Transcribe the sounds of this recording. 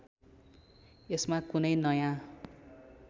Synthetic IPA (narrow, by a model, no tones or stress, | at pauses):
esmakunʌjnʌjã